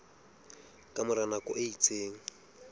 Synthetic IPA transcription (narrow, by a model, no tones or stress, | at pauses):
kʼamʊɾanakʼɔ̰ʔeit͡sʼeːŋ̩